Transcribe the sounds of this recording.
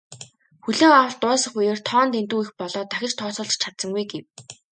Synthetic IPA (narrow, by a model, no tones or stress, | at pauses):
xuɮeːŋawə̆ɮt̪ʊːsə̆χujeːrt̪ʰɔːnt̪ent̪uːixpɔɮɔːt̪axʲɪ̆t͡ɕt̪ʰɔːsʊːɮt͡ɕt͡ɕʰat̪sə̆ŋɡujɡew